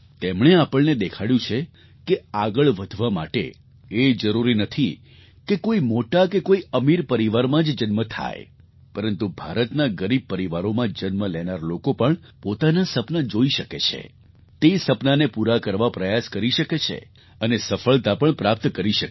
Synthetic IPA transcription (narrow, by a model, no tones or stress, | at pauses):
t̪emɳeapəɭned̪ekʰaɽjũt͡ʃʰe | keaɡəɭʋəd̪ʱʋama̰ʈḛ | ed͡ʒəɾuɾinət̪ʰi | kekoimoʈakekoiəmiɾpəɾiʋaɾmãd͡ʒd͡ʒənmət̪ʰa̰j̰ | pəɾənt̪ubʱaɾət̪naɡəɾib̚pəɾiʋaɾomãd͡ʒənməlɛnaɾlokopəɳ | pot̪anasəpnad͡ʒoiʃəket͡ʃʰḛ | t̪esəpnanepuɾakəɾʋapɾəjaskəɾiʃəket͡ʃʰḛ | ənesəfəɭt̪apəɳpɾap̚t̪kəɾiʃək